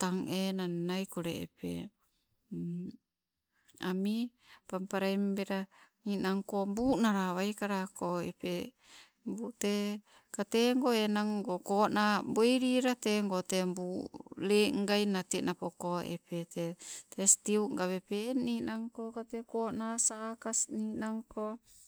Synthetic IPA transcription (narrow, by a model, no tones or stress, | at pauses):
t̪aŋenannajkoɾḛːpḛ | ami | pampaɾaimbeɾaninaŋkombunaɾaβajkaɾakoḛpe | mbut̪e | kat̪eŋɡoenaŋɡokoʔnamboiɾiɾat̪eŋɡot̪embuleŋɡainat̪iʔnapɔkoɛ̰pet̪ɛt̪ɛst̪iuʔŋɡaβepeninaŋkokat̪ekoʔnasaːkasninaŋko